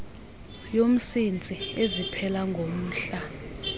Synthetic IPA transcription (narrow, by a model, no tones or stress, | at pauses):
jom̩sint͡sʼiezipʰɛlaŋɡʱom̩ːɬa